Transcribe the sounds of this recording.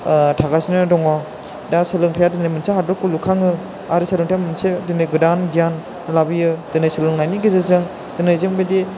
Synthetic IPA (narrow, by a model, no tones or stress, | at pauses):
tʰaɡasinɯdɔŋɔ | dasɯlɯŋtʰajadɯnajmɯnsehadɔkːulukʰaŋɯ | aɾɯsɯlɯŋtʰjamɯnsedɯnɯjɡɯdanɡijan | labijɯd̥ɯnajsɯlɯŋnajniɡezazɯŋ | dɯnajzɯŋbedi